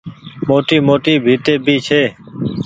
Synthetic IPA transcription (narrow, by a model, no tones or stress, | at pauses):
moːʈiːmoːʈiːbʱiːt̪eːbʱiːt͡ʃʰeː